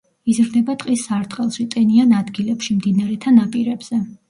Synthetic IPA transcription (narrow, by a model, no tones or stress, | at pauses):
izɾd̪ɛbat̪ʼqʼisːaɾt̪ʼqʼɛlˠʃit̪ʼɛnianad̪ɡilɛpʃimd̪inaɾɛt̪ʰanapʼiɾɛbz̥ɛ